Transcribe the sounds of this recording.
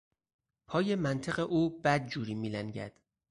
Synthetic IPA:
pʰɒːje̞mænt̪ʰeɣeʔuːbæd̪̚d͡ʒuːɾiːmiːlænɟæ̰d̪̥

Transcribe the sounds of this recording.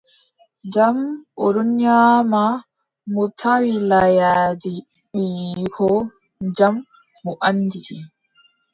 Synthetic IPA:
d͡ʒamʔɔɾunjaːma | mɔtʰawilajaːdi | ɓiːkʰɔ | d͡ʒamː | ɔʔanːdit͡ʃi

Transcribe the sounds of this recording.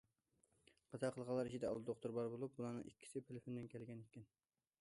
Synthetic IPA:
qɑt̪ʰɑqʰəlˠʁɑlˠɑɾit͡ʃʰid̪ɛɑ̰lˠd̪oqt̪uɾbɑɾbolˠup̚bulˠɑːnɨ̰ŋikʲʰːi̥sɪpʰelɪfond̪ɪnkʲʰɛlɡʲɛnekʲːɛn

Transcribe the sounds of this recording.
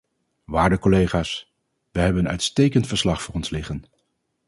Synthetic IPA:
ʋaːɹdəkolejχaːs | ʋəɦɛbənənœ̰ɥtstejkəntfəɹslɑχfʊːrɔnslɪχən

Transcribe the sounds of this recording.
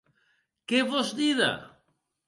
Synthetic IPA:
keβozd̪iða̰

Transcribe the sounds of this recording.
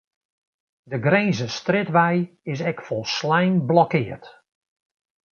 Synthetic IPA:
dəɡrejnzəstrɪtʋɛjɪs̬ɛkfɔlˠslɛjnblɔkɪːərt

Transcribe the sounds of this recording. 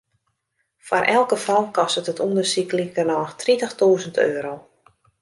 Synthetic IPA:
fwa̰rʔɛlˠkəfɔlˠkɔstətətundərsiklikərnɔxtritəxtuːzəntʰø̰ːɾow

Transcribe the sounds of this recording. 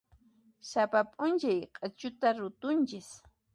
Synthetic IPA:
sapapʼʊnt͡ʃajqʼat͡ʃʊt̪aɾʊt̪ʊnt͡ʃɪs

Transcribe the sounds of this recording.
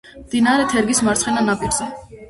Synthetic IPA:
md̪̥inaɾɛt̪ʰɛɾɡismaɾt̪sχɛnanapʼiɾz̥ɛ

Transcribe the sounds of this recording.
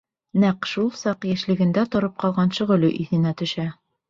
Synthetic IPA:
næqʃulˠsɑqjæ̆ʃlɘ̆ɡɘ̆nd̪æt̪ŏɾɤp̚qɑlˠʁɑnʃŏʁɵ̆lɵʔiθɘ̆næt̪ɵ̆ʃæ

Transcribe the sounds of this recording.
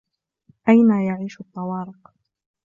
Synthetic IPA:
ʔajnajaʕiːʃʊt̪ˤːɑwɑːɾɪq

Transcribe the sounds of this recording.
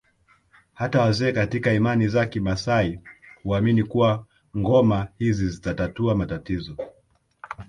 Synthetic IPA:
hatawazɛːkatikaimanizakimasaihuaminikuwa | ŋɡɔmahizizitatatuamatatizɔ

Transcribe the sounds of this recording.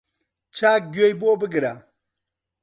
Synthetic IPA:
t͡ʃaɡojbobɨɡiɾa

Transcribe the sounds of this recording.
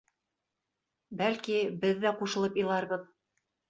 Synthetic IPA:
bælkibɘðːæquʃɤ̆lˠɤpilˠɑɾβɤð

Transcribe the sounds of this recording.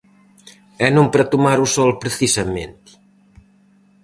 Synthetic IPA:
ɛnũmpɾat̪umaɾusɔlpɾeθisɐmḛ̃nt̪i̥

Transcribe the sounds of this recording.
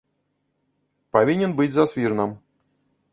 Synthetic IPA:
pavʲinʲɛnbɨd͡zʲzɐsfʲirnɨm

